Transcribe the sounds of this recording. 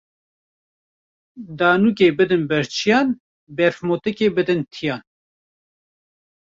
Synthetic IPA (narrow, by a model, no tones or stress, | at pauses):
d̪ɑːnuːk̬eːbɨd̪ɨnbɛɾt͡ʃʰijɑːn | bɛɾfmot̪ɨkeːbɨd̪ɨnt̪ʰijɑːn